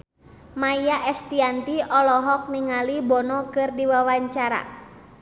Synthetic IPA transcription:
maijaʔɛst̪iant̪iɔlɔɦɔk̚niŋalibɔnɔkɨrdiwawaɲt͡ʃaɾa̰

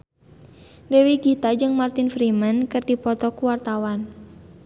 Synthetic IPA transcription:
dɛwiɡit̪ad͡ʒɨŋmart̪infɾimankɨrdipɔt̪ɔkuwart̪awan

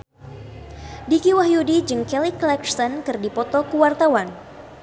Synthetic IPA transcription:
dikiwaɦjudid͡ʒɨŋkɛliklɛksɔnkɨrdipɔt̪ɔkuwart̪awan

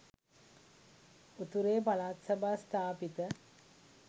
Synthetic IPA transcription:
ut̪uɾeːpalaːt̪səbast̪aːpit̪ə

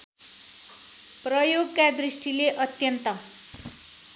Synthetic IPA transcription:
pɾʌjoɡkad̪ɾisʈileʔʌt̪jʌnt̪ʌ

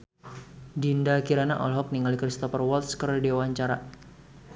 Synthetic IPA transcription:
dindakiɾana̰ʔɔlɦɔk̚niŋalikɾist̪ɔfərwɔlt̪skərdiawaɲt͡ʃaɾa

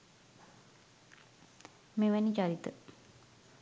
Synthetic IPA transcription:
meːʋænit͡ʃaɾit̪ə

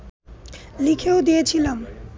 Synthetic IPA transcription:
likʰewd̪iet͡ɕʰilʌm

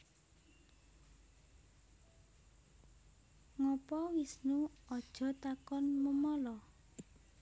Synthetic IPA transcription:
ŋɔpɔwisnuɔd̥ʒ̥ɔ̤t̪akɔnməmɔlɔ

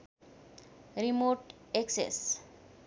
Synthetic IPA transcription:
ɾimoʈeksḛs

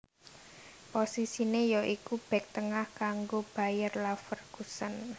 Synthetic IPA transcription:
posisinejɔʔikub̥ɛ̤k̚t̪əŋahkaŋɡob̥a̤jərlafərɡ̥usən

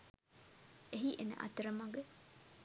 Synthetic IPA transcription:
eɦiʔenə̰ʔɐ̰t̪ɐɾɐmɐɡe

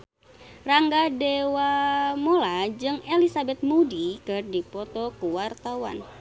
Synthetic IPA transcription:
raŋɡadewamolad͡ʒɨŋelisabɛt̪̚mudikɨrdipɔt̪ɔkəwart̪awa̰n

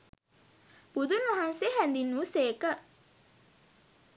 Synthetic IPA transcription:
b̥ud̪unʋɐɦanseɦænd̪inːuːseːkə

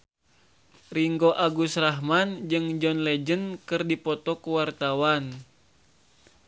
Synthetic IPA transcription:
riŋɡɔʔaɡusraɦmand͡ʒɨŋd͡ʒɔnlɛd͡ʒənkɨrdipɔt̪ɔkuwart̪awan

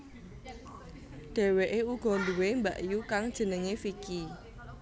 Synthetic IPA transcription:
ɖ̥ɛ̤weʔeuɡ̥ɔ̤nd̪uwembaʔjukaŋd̥ʒ̥ə̤nəŋefiki

